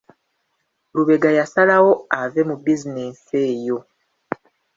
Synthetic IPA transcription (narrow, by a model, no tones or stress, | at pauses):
luβe̞ɡajasalawo̞ave̞mubizineseːjo̞